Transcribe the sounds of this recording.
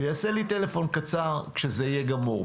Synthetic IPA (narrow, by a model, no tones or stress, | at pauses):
jaːselite̞le̞fo̞nkat͡saʁkʃezeijeɡamoʁ